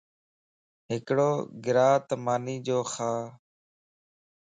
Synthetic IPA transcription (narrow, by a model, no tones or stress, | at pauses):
ɦɪkɽoːɡɪɾaːt̪maːniːd͡ʒoːxaː